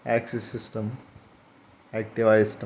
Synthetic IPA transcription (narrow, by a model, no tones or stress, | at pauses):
æːksesːisʈɐm | æːk̚ʈiʋajsʈ